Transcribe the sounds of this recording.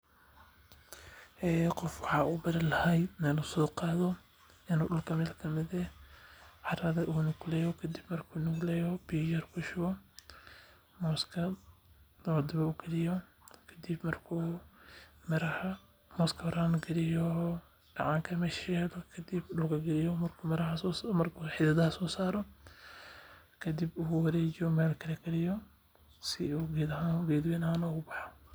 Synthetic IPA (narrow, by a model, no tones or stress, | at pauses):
ʔɛːqɔfwɑħɑːʔuːbɐðɐlɐhɛj̪nɐnʊsɔːqɑːðɔ | ɪnuːɗʊlkʰɐmɛːlkʰɐmɪðɛ | ʕɑɾɐðɐʔuːnʊɡlɛːjɔkʰɐd̪ɪbmɐrkʰuːnʊɡlɛːjɔbijɐrkʰʊʃʊwɔ | mɔːskʰɐ | lɐd̪ɪβɐuːɡɐlɪjɔkʰɐd̪ɪbmɐrkʰuː | mɪɾɐhɐ | mɔːskʰɐwɐɾaːnɡɛlɪjɔ | ɖ̥ɑʕɑːŋkʰɐmɛʃɛdɔkʰɐd̪ɪbɖʊkɐɡɛlɪjɔmɐrkʰuːmɐɾɐɦɐmɐrkʰuħɪd̪ɐðɐhɐsɔːsaːɾɔ | kʰɐd̪ɪbuwɐɾɛːd͡ʒɔmɛːlkʰɐlɛɡɐlɪjɔ | sɪuɡɛd̪ɐɦaːnɡɛːd̪wɛnɐhaːnɔɣʊbɑħɔ̥